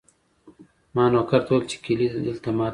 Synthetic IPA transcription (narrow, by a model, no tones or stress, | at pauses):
mɑːnokaɾt̪ʰoːlt͡ʃe̥kiliɪ̰lt̪amaː